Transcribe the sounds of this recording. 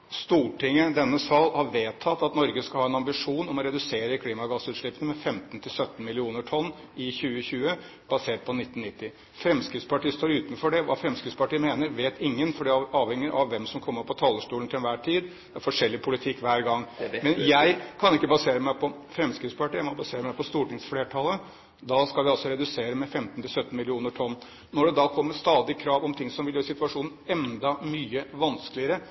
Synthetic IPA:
st̪uːʈɪŋːəd̪ɛnːəsɑlhɑɾʋeːt̪ʰːɑt̪ːɑt̪nɔɾɡəskɑhɑːɛnɑmbɪʂuːnɔmɔɾɛd̪ʉseːɾəkʰliːmɑɡɑsʉːt̪ʂɭɪpːənəmɛfɛmt̪nt̪ʰɪlsœt̪ːn̩mɪlɪuːnəʈʰɔnː | ɪçʉːəçʉːə | b̥ɑseːʈ̚pʰɔnɪt̪ːn̩nːɪt̪ːɪ | fɾɛmskɾɪft̪spʰɑʈiːst̪oːɾʉːt̪nfɔɖɛʋɑ̰ːfɾɛmskɾɪft̪spɑʈiːəmeːnəɾʋeːt̪ʰɪŋːənfɔɖiɑːʋhɛŋːɪʔɑʋːɛmsɔmkʰɔmːəɾpʰɔt̪ʰɑːləʂʈuːlnt̪ʰɪlɛnʋæːʈʰiːd̪ | d̪ɾfɔʂɛlːɪpʰʊlɪt̪ʰɪkːʋæːɾɡɑŋːmɛnjæɪkʰɑnɪkːəbɑseːɾəmæɪpʰɔ | fɾɛmskɾɪt̪spʰɑʈiːæmɔbɑseːɾəmæɪpʰɔst̪uːʈɪŋsfleːʈʰɑlə | d̪ɑskɑʋɪɔlsɔɾɛd̪ʉseːɾəmɛfɛmt̪nt̪ʰɪlsœt̪ːn̩mɪlɪuːnəʈʰɔnː | nɔɖɛd̪ɑːkʰɔmːəst̪ɑːd̪ɪkʰɾɑːʋɔmt̪ʰɪŋsɔmʋɪljøːɾsɪt̪ʉɑʂuːnn̩ɛnd̪ɑmyːəʋɑnsklɪəɾə

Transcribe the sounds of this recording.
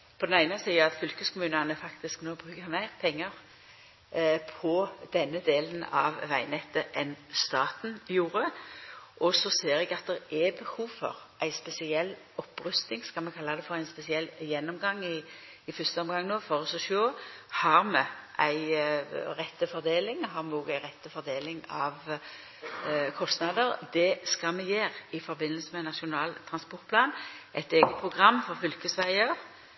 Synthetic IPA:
pʰɔd̪ɛnæɪnəsiːəɑt̪fʏlkəskʰʊmʉːnənəfɑkt̪ɪsknoːbɾʁʉːkəmæɪʁpʰɛŋːəɾ | pʰɔd̪̥ɛnːəd̪eːlənɑʋʋæɪnɛt̪ːəʔɛnst̪ɑːt̪n̩juːɾə | ʔɔsɔseːɾɛɡɑt̪̚d̪ɛʁɛbəhuːʋfɔ̰ʁʔæɪspɛsɪɛlː | ɔpːɾʉst̪nɪŋskɑlmɛkʰɑlːɑd̪ɛfɔʁæɪnspɛsɪɛlːjɛnːɔmɡɑŋːɪ | ɪfʏst̪əɔmɡɑŋːnoːfɔʁɔsɔʃoːhɑɾmɛʔæɪʁɛt̪ːəfɔɾd̪eːlɪŋɦɑɾmɛɔːɡæɪʁɛt̪ːəfɔɾd̪eːlɪŋɑʋ | kʰɔst̪nɑd̪əɾd̪ɛskɑmɛjeːɾɪfɔɾbɪnːəlsəmɛnɑʃʊnɑːlt̪ʰʁɑnspɔɾt̪pʰlɑːnʔæɪt̪eːɡət̪̚pʰʁʊɡʁɑmːfɔɾfʏlkəsʋæɪəɾ

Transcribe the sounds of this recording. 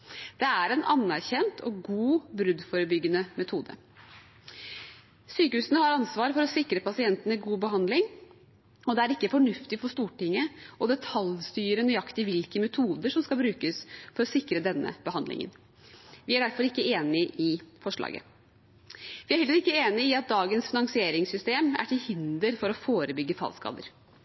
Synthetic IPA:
d̪̥ɛæɾɛnʔɑnːæɾçɛnt̪ʰɔ̰ɡuːbɾʉd̪fɔːɾəbʏɡːənəmɛt̪ʰuːd̪ə̰ | syːkəhʉːsənəhɑɾɑnsʋɑːɾəfɔɾɔsɪkɾəpʰɑsɪɛnt̪ənɪɡuːbəɦɑnd̪lɪŋ | ɔd̪ɛæɾɪkːəfɔɳʉft̪ɪfɔʂt̪uːʈɪŋːəʔɔd̪ɛt̪ʰɑlst̪yːɾənyɑkt̪ɪʋɪlkəmɛt̪ʰuːd̪əʂɔmskɑlbɾʉːkəsfɔɾɔsɪkɾəd̪ɛnːə̰b̥əhɑnd̪lɪ̰ŋə̰n | ʋɪæɖæɾfɔɾɪkːəeːnɪʔɪfɔʂɭɑ̰ːɡə̰ | ʋɪæɾhɛləɾɪkːəeːnɪɪɑt̪̚d̪ɑːɡənsfɪnɑŋsɪeːɾɪŋsʏst̪eːmæ̰ʈʰɪlhɪnd̪əɾfɔɾɔfoːɾəbʏɡːəfʰɑ̰lskɑ̰ːd̪ə̰ɾ

